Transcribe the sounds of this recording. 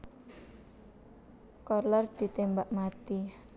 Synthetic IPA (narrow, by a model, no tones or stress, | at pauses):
kɔrlɔrd̪̥i̤t̪embaʔmat̪i